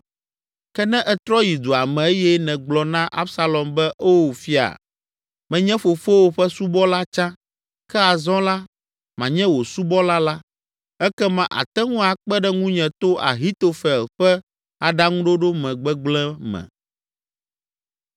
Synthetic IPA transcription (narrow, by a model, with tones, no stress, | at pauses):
kɛ˦nɛ̃˦ʔɛ˨t̪ɾɔ˦ji˨d̪o˨a˨mɛ̃˨e˦jɛ˦nɛ̃˨ɡ͡blɔ˨nã˦ʔa̰˦bsa˨lɔ˨mbɛ˦ʔo˦wo˨fi˦a̰˨ | mɛ̃˨ɲɛ̃˦fo˨fo˦wo˦ɸɛ˦su˦bɔ˦la˦t͡ʃã˦ | kɛ˦a˨zɔ̃˦la˦ | mã˨ɲɛ̃˦wo˨su˦bɔ˦la˦la˦ | ɛ˦kɛ˦mã˨ʔa̰˨t̪ɛ˦ŋũ˦a˨k͡pɛ˦ɖɛ˦ŋũ˦ɲɛ̃˨t̪o˦ʔa̰˨ɦi˦t̪o˨fɛ˨lɸɛ˦ | a˨ɖa˦ŋũ˦ɖo˦ɖo˦mɛ̃˨ɡ͡bɛ˦ɡ͡blɛ̃˦mɛ̰̃˨